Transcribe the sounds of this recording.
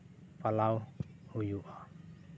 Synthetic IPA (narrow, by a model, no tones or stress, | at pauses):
palaw | hujuʔɔ